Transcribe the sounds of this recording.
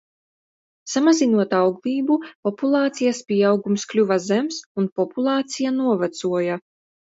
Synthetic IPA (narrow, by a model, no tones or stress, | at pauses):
samazinuɔt̪awɡlˠiːbupɔpulˠɑːt̪sijaspʲiɛawɡumsklʲuvazɛmsunpɔpulˠɑːt̪sijanuɔvat̪suɔja